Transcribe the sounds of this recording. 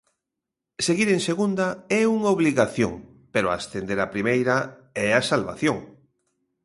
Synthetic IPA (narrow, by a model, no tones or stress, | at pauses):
seɣiɾẽŋseɣund̪ɐɛuŋoβliɣaθjo̰ŋ | peɾoa̰st̪end̪eɾapɾimejɾɐɛasalβa̰θjoŋ